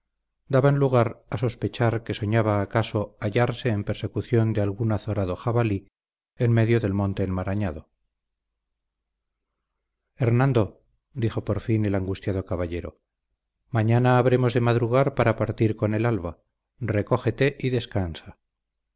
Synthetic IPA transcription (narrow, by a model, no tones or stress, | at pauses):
d̪aβanluɣ̞aɾaso̞spe̞t͡ʃaɾke̞so̞ɲaβaːkaso̞aʝaɾse̞ːmpeɾse̞kuθjo̞nd̪ealɣunaθoɾaðo̞xaβali | enme̞ðjo̞ðe̞lmõ̞nt̪e̞ːnmaɾaɲaðo̞ | e̞ɾnãnd̪o̞ | d̪ixo̞po̞ɾfine̞laŋɡust̪jað̞o̞kaβaʎe̞ɾo̞̰ | maɲanaːβɾe̞mo̞zðe̞maðɾuɣ̞aɾpaɾapaɾt̪iɾko̞ne̞lalβa | re̞ko̞xe̞t̪e̞ʔiðe̞skansa